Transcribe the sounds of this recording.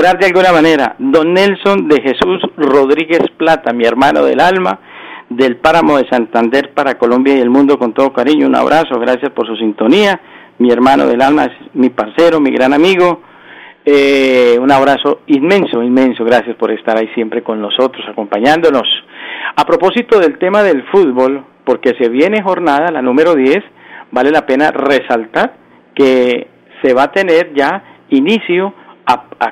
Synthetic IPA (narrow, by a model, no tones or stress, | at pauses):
oɾaɾd̪ealɡunamane̞ɾa̰d̪o̞nːelso̞nd̪e̞xe̞susro̞ðɾiɣe̞splat̪amie̞ɾmano̞̰ðe̞̰lalma | ðe̞lpaɾamo̞ðe̞sant̪and̪e̞ɾpaɾako̞lombjaiðe̞lmũnd̪o̞ko̞nt̪o̞ðokaɾiɲouna̰βɾʔaso̞ɣɾasjaspo̞ɾsusint̪o̞nia | mie̞ɾmano̰ðe̞lalmaesmipaɾseɾomiɣɾanamiɣo | eunaβɾaso̞inmẽ̞nso̞inmẽ̞nso̞ɣɾasjaspo̞ɾe̞st̪aɾaisje̞mpɾe̞ko̞nːo̞so̞t̪ɾo̞sako̞mpaɲãnd̪ono̞sapɾo̞po̞sit̪oðe̞lt̪e̞maðe̞lfuðbo̞l | po̞ɾke̞se̞βje̞nexo̞ɾnaðalanũme̞ɾoðje̞sbale̞lape̞nare̞salt̪aɾ | ke | seβat̪e̞ne̞ɾd͡ʒainisjoaa